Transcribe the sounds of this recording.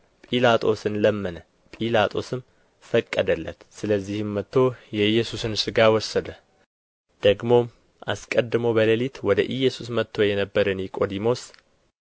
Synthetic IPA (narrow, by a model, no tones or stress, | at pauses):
pʼilat̪ʼo̞̰sɨnləmːɨnə | pʼilat̪ʼo̞sɨm | fəkʼːəd̪əlːə̰t̪sɨləzːihɨmːət̪ːo̞jɛɨjːɛsusɨnsɨɡawɔsəd̪ə | d̪̥əɡmo̞m | ʔa̰skʼəd̪ːɨməwbələlit̪wɔd̪əʔɨjːɛsusmət̪ʰːo̞jɛnəbːəɾənjɛkʼo̞d̪imo̞s